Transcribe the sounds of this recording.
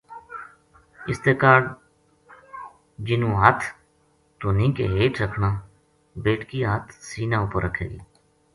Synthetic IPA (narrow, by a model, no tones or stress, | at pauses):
ɪst̪eːkaːɖ | d͡ʒɪnũːɦət̪ʰ | t̪oːnĩːkḛːɦeːʈɾəkʰnãː | beːʈkiːɦət̪ʰsiːnãːʊpəɾːəkʰḛːɡḭː